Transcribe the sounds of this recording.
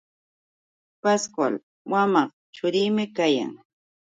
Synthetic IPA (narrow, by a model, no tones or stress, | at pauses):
paskwa̰l | wamɑχ | t͡ʃʊɾiːmɪkaja̰ŋ